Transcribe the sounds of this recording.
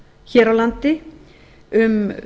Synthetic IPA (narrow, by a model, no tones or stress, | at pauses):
çɛːɾawlant̪ɪ | ʏm